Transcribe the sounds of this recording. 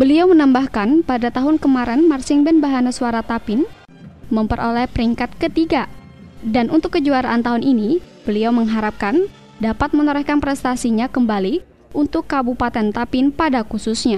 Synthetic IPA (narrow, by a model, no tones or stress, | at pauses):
bəliawmənambahkanpadat̪aɦʊnkəmaɾɛnmarsɪŋbɛnbaɦanasuaɾat̪apɪn | məmpəɾʔolɛhpəɾiŋkat̪̚kət̪iɡa | danʔunt̪ʊkːəd͡ʒuaɾaʔant̪aɦʊnini | b̥əliawməŋɦaɾap̚kan | dapat̪̚mənɔɾɛhkanpɾɛst̪asiɲakəmbali | unt̪ʊkːabupat̪ɛnt̪apɪnpadakususɲa